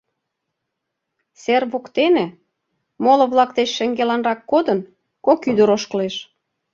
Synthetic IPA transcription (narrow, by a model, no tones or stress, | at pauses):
serβokt̪enĕ | molɤ̆βlɑkt̪et͡ɕʃĕŋɡelɑnrɑkːod̪ən | kokyd̪əɾoʃkəleʃ